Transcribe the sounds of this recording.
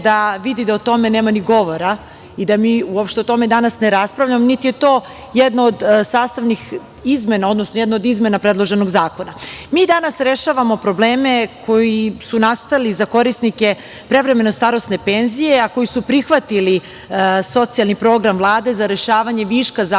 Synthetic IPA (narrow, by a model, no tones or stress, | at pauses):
d̪aʋid̪id̪aot̪o̞me̞neːmaniɡo̞ʋo̞ɾa | id̪amiːuopʃt̪eot̪o̞me̞d̪anasneɾaspɾavʎamonit̪ije̞t̪o̞ː | jed̪noːd̪saːst̪aʋnix | izme̞nao̞d̪nosnojɛd̪nood̪izme̞napɾe̞d̪lˠo̞ʒe̞no̞ɡzaːko̞namiːd̪anasɾe̞ʃaːʋamo̞pɾo̞bleːme̞kʰo̞jisunast̪alizako̞ɾisnike̞ | pɾe̞ʋɾe̞me̞no̞st̪aɾost̪ne̞penzijeako̞jisupɾixʋat̪ili | so̞t̪sijalˠnipɾo̞ːɡɾamvlˠaːd̪e̞zaɾe̞ʃaːʋaɲe̞ʋiʃkaza